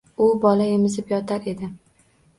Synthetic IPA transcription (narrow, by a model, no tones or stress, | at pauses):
ʊbɒlaemɪzɪpjɒt̪ʰaɾe̞d̪ɪ